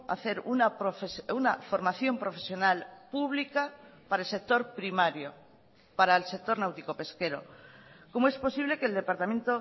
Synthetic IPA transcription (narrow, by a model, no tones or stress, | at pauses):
a̰θe̞ɾunapɾofesunafo̞ɾmaθjo̞mpɾo̞fe̞sjo̞nalpuβlikapaɾaelse̞k̚t̪o̞ɾpɾimaɾjo | paɾaelse̞k̚t̪o̞ɾnawt̪iko̞pe̞ske̞ɾo̞̰komoe̞spo̞siβle̞keld̪epaɾt̪amẽnt̪o